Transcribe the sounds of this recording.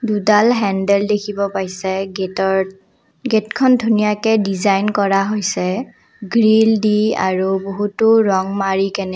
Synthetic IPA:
dudalɦɛndɛldekʰibɔpajsɛtɔ | ɡetkʰɔndʱunijakɛdizajnkɔɹaɦojsɛ | ɡɹildia̰ɹuboɦutʊɹɔŋmaɹikɛnɛ

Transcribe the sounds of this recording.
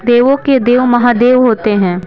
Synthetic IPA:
d̪eːʋõked̪eːʋmɐɦãd̪eːʋɦoːt̪eɦɛ̃ː

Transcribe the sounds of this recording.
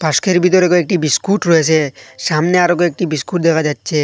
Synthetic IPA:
paskʰeɾbʱit̪ɔɾekoek̚ʈibiskuʈɾɔɦet͡ʃʰeʃamneaɾok̬oek̚ʈibiskuʈ̚d̪ɛkʰad͡ʑatːsʰe

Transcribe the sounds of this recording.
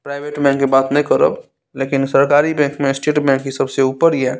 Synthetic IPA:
pɾaːɪʋeːʈbɛ̃ːŋkːibaːt̪nɐɦĩkəɾə̰b | leːkɪnsəɾkaːɾibɛ̃ːŋkmẽsʈeːʈbɛ̃ŋkːisɐbseuːpəɾiɦɛː

